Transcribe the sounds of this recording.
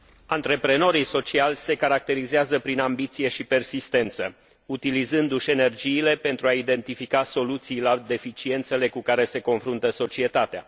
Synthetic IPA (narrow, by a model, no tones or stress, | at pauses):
ant̪ɾe̞pɾe̞no̞ɾijso̞t͡ʃialʲse̞kaɾak̚t̪e̞ɾizeazəpɾinambit̪sije̞ʃipe̞rsist̪e̞nt̪sə̰ | ut̪ilizɨnd̪uʃe̞ne̞rd͡ʒiːle̞pe̞nt̪ɾuaid̪e̞nt̪ifikaso̞lut̪sijlad̪e̞fit͡ʃie̞nt̪se̞le̞kukaɾe̞se̞ko̞nfɾunt̪əso̞t͡ʃie̞t̪at̪ea̰